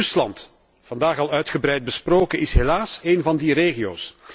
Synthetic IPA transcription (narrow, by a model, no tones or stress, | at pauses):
ʏslɑnt | fɑndaːxɑlˠœɥtχəbɾɛjt̚bəsproːkəʔɪsɦelaːseːnvɑndireːɣijo̰ːs